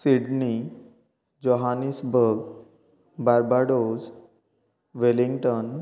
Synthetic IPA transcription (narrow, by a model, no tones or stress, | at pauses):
siɖni | d͡ʑoɦanisbʱəɾɡ | baɾbaɽoz | ʋeliŋɡʈən